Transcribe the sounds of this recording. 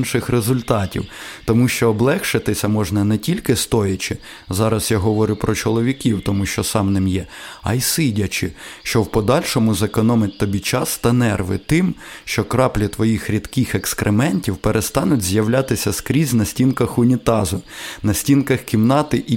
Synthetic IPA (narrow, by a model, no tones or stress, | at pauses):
nʃɪxrezʊlʲt̪ɑtʲḭwt̪ɔmuʃt͡ʃɔːblˠɛxʃɪt̪ɪsʲɐmɔʒnɐnɛtʲilʲkɪst̪ɔjɐt͡ʃɪ | zɑɾɐsjaɦɔʋɔɾʲʊpɾɔt͡ʃɔlˠɔʋʲikʲiwt̪ɔmuʃt͡ʃɔsɑmnɪmjɛɐ̰jsɪdʲɐt͡ʃɪʃt͡ʃɔwpɔd̪ɑlʲʃɔmʊzɐkɔnɔmɪtʲt̪ɔbʲit͡ʃɑst̪ɐnɛrʋɪ̰t̪ɪmʃt͡ʃɔkɾɑplʲit̪ʋɔjixɾʲid̪kɪxekskɾʔemɛnʲtʲiwpeɾʔest̪ɑnʊtʲzʲjɐwlʲat̪ɪsʲɐskɾʲizʲnɐsʲtʲinkɐxʊnʲit̪ɑzʊnɐsʲtʲinkɐxkʲimnɑt̪ɪʔi